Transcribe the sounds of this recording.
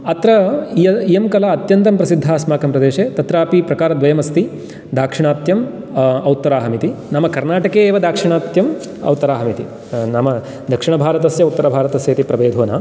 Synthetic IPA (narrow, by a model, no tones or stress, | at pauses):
ɐt̪ɾɐijijɐmkɐlaɐt̪jɐnt̪ɐmpɾɐsid̪ʱːaːsmaːkɐmpɾɐd̪eːʃeːt̪ɐt̪ɾaːpipɾɐkaːɾɐd̪ʋɐjɐmɐst̪i | d̪ʱaːkʂiɳaːt̪jɐm | ɐwt̪ːɐɾaːɦɐmit̪inɐmɐkɐɾnaːʈɐkeːʋɐd̪ʱaːkʂiɳaːt̪jɐm | ɐ̰wt̪ɐɾaːɦɐmit̪ḭ | nɐmɐ | d̪ʱɐkʂiɳɐbʱaːɾɐt̪ɐsjɐut̪ːɐɾɐbʱaːɾɐt̪ɐsjɐːt̪ipɾɐbeːd̪ʱoːna̰ː